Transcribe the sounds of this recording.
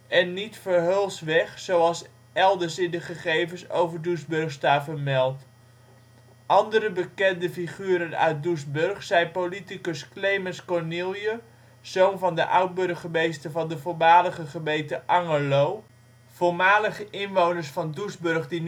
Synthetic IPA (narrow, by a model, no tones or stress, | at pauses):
ɛnːitfəɹɦølˠsʋɛχsowɑlˠs | ɛlˠdəɹsɪndəχəχejvənso̰wvəɹdusbɵrχstaːvəɹmɛlˠt | ʔɑndəɾəbəkɛndəfiχyːɾənœ̰ɥt̚dusbɵrχsɛjpolitikəsklejmənskɔɹnilˠjə | z̥ownvɑndəʔœwd̚bɵrχəmejstəvɑndəvoɹmaːləχəχəmejtəʔɑŋəlow | v̥oɹmaːləχəʔɪnʋownəɹsfɑndusbɵrχdin